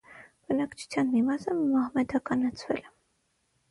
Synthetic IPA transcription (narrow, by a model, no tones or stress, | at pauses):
b̥ənɑkt͡ʃʰu̥t͡sʰjɑnmimɑsəmɑhmɛd̪ɑkɑnɑt͡sʰvɛ̰lɛ